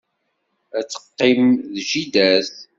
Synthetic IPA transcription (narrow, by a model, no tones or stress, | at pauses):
æt͡sːə̥qːɪmðʒid̪æθ